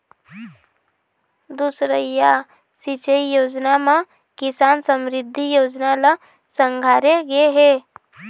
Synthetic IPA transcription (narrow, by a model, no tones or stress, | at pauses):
d̪usɾəja | sit͡ʃəijoːd͡ʒnamã | kɪsaːnsəmɾɪd̪ʱːijoːd͡ʒnalə | sə̃ŋɡʱaːɾeɡeɦeː